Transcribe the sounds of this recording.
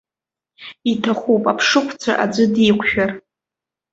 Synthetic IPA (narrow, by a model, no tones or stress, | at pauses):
itʰaχʷupʼapʰʂɨkʷʰt͡sʷʰa̰ʔad͡zʷɨdikʷʰʃᶣar